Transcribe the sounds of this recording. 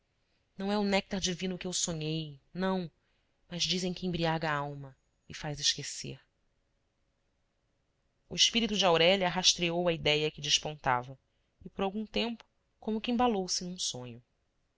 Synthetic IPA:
nɐ̃w̃ɛʊnɛk̚t̪aɾd͡ʒivĩnʊkɪewsõɲejnɐ̃w̃ | mɐzd͡ʒizẽj̃kɪẽbɾiaɡɐaawmɐ | ɪfajzɪʃkesḛɾ | ʊɪʃpiɾit̪ud͡ʒɪawɾɛʎɐɦaʃt̪ɾeowɐid̪ɛjɐkɪd͡ʒɪʃpõnt̪a̰vɐ | ɪpoɾawɡũt̪ẽmpʊ̥ | kõmʊkʲɪẽbalowsɪnũsõɲʊ

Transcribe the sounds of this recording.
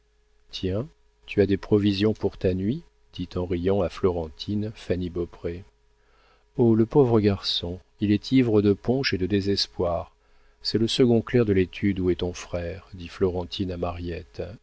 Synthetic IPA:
t̪jɛ̃ | t̪ʰyad̪epχɔvizjɔ̃puʁt̪anɥi | d̪̥it̪ɑ̃ʁijɑ̃aflɔʁɑ̃t̪ʰinfanibɔpχe | oləpovʁəɡaʁsɔ̃ | ilɛt̪ʰivʁəd̪əpɔ̃ʃed̪əd̪ezɛspwaːʁ | sɛləsəɡɔ̃klɛʁd̪əlet̪ʰyd̪uɛt̪ɔ̃fχɛʁd̪iflɔʁɑ̃t̪ʰinamaʁjɛt̪

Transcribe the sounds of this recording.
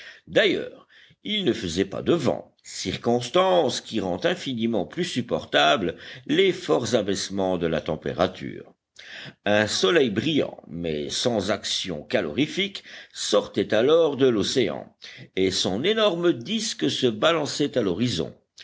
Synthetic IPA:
d̪ajœ̰ːʁ | ilnəfəzɛpa̰d̪əvɑ̰̃ | siʁkɔ̃st̪ɑ̃skʲiʁɑ̃t̪ɛ̃finimɑ̃plysypɔʁt̪abllefɔʁzabɛsmɑ̃d̪əlat̪ɑ̃pḛʁa̰t̪ʰy̰ːʁ | ɛ̃sɔlɛjbʁijɑ̰̃mɛ̰sɑ̃zaksjɔ̰̃kalɔ̰ʁifiksɔʁt̪ɛt̪alɔʁd̪əlɔseɑ̰̃esɔ̃nenɔʁməd̪iskəsəbalɑ̃sɛt̪alɔʁizɔ̰̃

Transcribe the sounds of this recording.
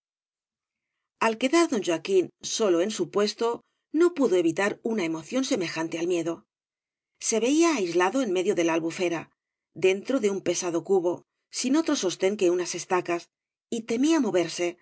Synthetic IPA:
alke̞ðaɾðo̞nʲʒakinso̞loe̞nsupwe̞st̪o̞ | no̞puðoe̞βit̪aɾunae̞mo̞θjo̞nse̞me̞xant̪e̞almje̞ðo̞ | se̞βe̞iaːjzlaðo̞enme̞ðjo̞ðe̞lalβufe̞ɾa | d̪e̞nt̪ɾo̞ðe̞umpe̞saðo̞kuβo̞ | sino̞t̪ɾo̞so̞st̪e̞ŋke̞unase̞st̪akas | it̪e̞miamo̞β̞e̞ɾse̞

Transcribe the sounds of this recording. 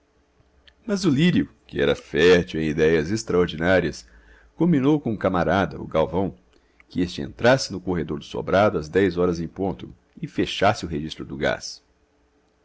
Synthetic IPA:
mɐzʊliɾjʊkɪɛ̰ɾɐfɛɾt͡ʃiwẽj̃id̪ɛjɐzest̪ɾɐoɾd͡ʒinaɾiɐs | kõmbĩnowkõkamaɾad̪ɐ̰ʊ̰ɡawvɐ̃w̃ | kɪest͡ʃɪḛ̃nt̪ɾasɪnʊkoɦed̪oɾd̪ʊso̰bɾad̪ʊɐzd̪ɛjzɔɾɐzẽj̃põnt̪ʊ | ɪfeʃasɪʊɦeʒist̪ɾʊd̪ʊɡa̰s

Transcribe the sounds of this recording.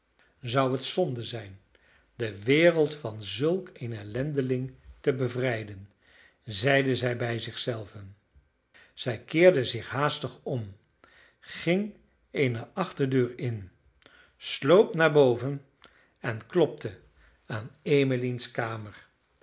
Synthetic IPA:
zɑwɦətsɔndəzɛjn | dəʋɪːrəlˠtfɑnzɵlˠkejnɛlɛndəlɪŋtəbəvrɛjdən | zɛjdəzɛjbɛjzɪχsɛlˠvən | z̥ɛjkɪːɹdəzɪχɦaːstəχɔm | χɪŋ | ejnəɑχtəɹdøːɹɪn | slowpnaːɹbowvən | ɛnklɔp̚tə | aːnejməlinskaːməɹ

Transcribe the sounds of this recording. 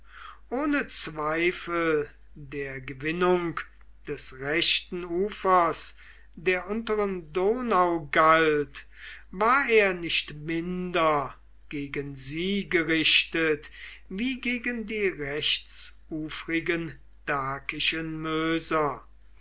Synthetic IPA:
ʔoːnət͡sv̥aɪfəl̩ | deːɐɡəvɪnʊŋk | d̥ɛsʁɛʃtn̩uːfɐs | deːɐʔʊntəʁəndoːnaʊɡalt | vaːɐeːɐnɪʃtmɪndɐ | ɡ̥eːɡənziːɡəʁɪʃtət | viːɡeːɡəndiːʁɛçt͡s | uːfʁɪɡən | d̥aːkɪʃənmøːzɐ

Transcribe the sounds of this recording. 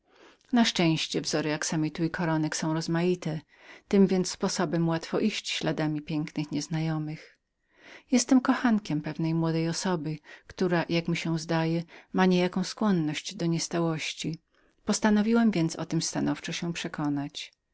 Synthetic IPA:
naʂt͡ʂɛ̃w̃ɕt͡ɕɛvzɔɾɨjaksamʲit̪uikʰɔɾɔnɛksɔ̃w̃ɾɔzmajit̪ɛ | t̪ɘmvʲjɛnt̪sspɔsɔbɛmwat̪fɔʔiɕt͡ɕɕlad̪amʲipʲjɛŋknɘxɲɛznajɔmɘx | jɛst̪ɛmkɔxaŋkʲɛmpɛvnɛjmwɔd̪ɛjɔsɔbɘkt̪uɾajakmʲiɕɛzd̪ajɛmaɲejakɔ̃w̃skwɔnːɔɕd͡ʑd̪ɔɲɛst̪awɔɕt͡ɕi | pɔst̪anɔvʲiwɛmvʲjɛnt̪sɔ̰t̪ɘmst̪anɔft͡ʂɔɕɛpʂɛkɔnat͡ɕ

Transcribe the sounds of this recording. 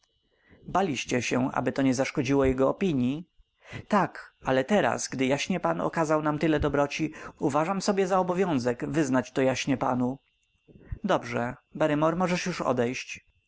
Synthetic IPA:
balʲiɕt͡ɕɛɕɛʔa̰bɘt̪ɔɲɛzaʂkɔd͡ʑiwɔjɛɡɔɔpʲiɲji | t̪akalɛt̪ɛɾa̰sɡd̪ɘjaɕɲɛpanɔ̰kazawnamt̪ɘlɛd̪ɔbɾɔt͡ɕiuvaʐamsɔbʲjɛzaɔbɔvʲjɔ̃w̃zɛkvɘznat͡ɕt̪ɔjaɕɲɛpanu | d̪ɔbʐɛbɛɾɘmɔɾmɔʐɛʂjuʂɔ̰d̪ɛjɕt͡ɕ

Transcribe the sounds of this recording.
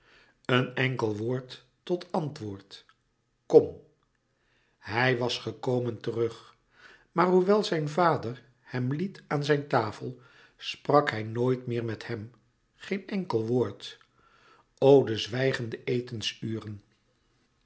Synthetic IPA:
ənɛŋkəlˠʋoːɹtː | ɔtɑntʋʊːɹt | kɔm | ɦɛjʋɑsχəkowməntərɵχ | maːɹɦuʋɛlˠzɛjnvaːdər | hɛmlitʔaːnzɛjntaːfəlˠ | sprɑkhɛjnoːjtmɪːɹmɛthɛm | χejnɛŋkəlˠʋʊːɹt | owdəzʋɛjχəndəʔejtənsyːrən

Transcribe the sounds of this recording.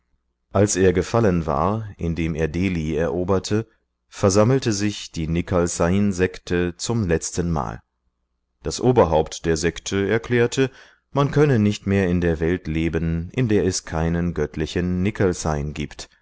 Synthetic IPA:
ʔalsʔeːɐɡəfalənva̰ːɐʔɪndeːmeːɐdeːliːɛɐʔoːbɐtʰə | fɛɐzaml̩təzɪçd̥iːnɪkʰalsaɪnzɛktʰət͡sʊmlɛt͡stənma̰ːl | d̥asʔoːbɐɦaʊptd̥eːɐzɛktʰəɛɐkl̥ɛːɐtʰə | mankʰœnənɪçtmeːɐɪndeːɐvɛltleːbənʔɪndeːɐɛskʰaɪnənɡœtʰlɪçənːɪkʰəlsaɪnɡiːpt

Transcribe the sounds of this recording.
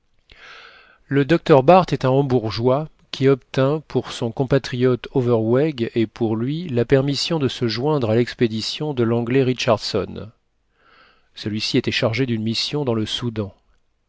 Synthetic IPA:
ləd̪ɔk̚t̪œʁbaʁt̪ɛt̪ɛ̃ɑ̃buʁʒwa | kʲʰiɔpt̪ɛ̃pʰuʁsɔ̃kɔ̃pat̪χijɔt̪ovɛʁwɛɡepʰuʁlɥilapɛʁmisjɔ̃d̪əsəʒwɛ̃d̪ʁalɛksped̪isjɔ̃d̪əlɑ̃ɡlɛʁiʃaʁd̪sɔn | səlɥisiet̪ɛʃaʁʒed̪ynmisjɔ̃d̪ɑ̃ləsud̪ɑ̃

